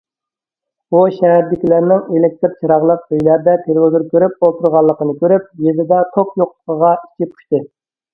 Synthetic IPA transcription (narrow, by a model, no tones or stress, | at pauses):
uʃɛɦæɾd̪ɪkʲilæɾnɪŋelek̚ʲt̪ɾt͡ʃʰiɾɑʁlˠəq̚øjlæɾd̪ɛt̪ʰelwozɨɾkʲʰøɾyp̚olˠt̪ʰuɾʁɑlˠːəqənɨkʲʰøɾyp̚jezd̪ɪd̪ɛt̪ʰokjoqlˠə̥qəʁɑi̥t͡ʃʰipʰu̥ʃt̪ɨ